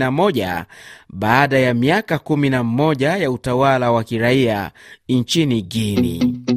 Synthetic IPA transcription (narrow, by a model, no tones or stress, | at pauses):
namɔʄa̰ɓaːɗajamiakakuminamɔʄajautawalawakiɾaia̰nt͡ʃiniɡinḭ